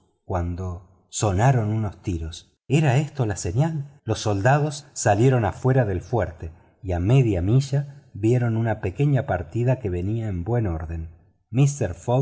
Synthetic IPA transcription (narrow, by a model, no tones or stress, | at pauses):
kwand̪o | so̞naɾo̞nuno̞st̪iɾos | eɾae̞st̪o̞lase̞ɲalːo̞sːo̞ld̪aðo̞sːalje̞ɾo̞nafwe̞ɾaðe̞lfweɾt̪e | iame̞ðjamiʒaβje̞ɾo̞nunape̞ke̞ɲapaɾt̪iðake̞βe̞niaembwe̞no̞ɾðe̞n | mist̪eɾfo